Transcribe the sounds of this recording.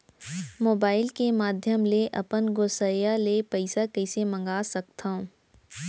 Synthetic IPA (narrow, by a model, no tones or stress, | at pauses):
moːbaːɪlkemaːd̪ʱjəmleʔɐpənɡoːsəjalepɐɪsakɐɪsemɐ̃ŋɡaːsɐk̚t̪ʰã